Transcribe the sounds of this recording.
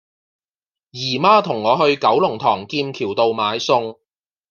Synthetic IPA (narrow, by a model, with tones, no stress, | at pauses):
jiː˨˩maː˥t̪ʰʊ˨˩ŋːɔː˨˧hɵ˧ɥkɐ˨˥wlʊ˨˩ŋt̪ʰɔː˨˩ŋkiː˧mkʰiː˨˩wt̪o˨wmaː˨˧jsʊ˧ŋ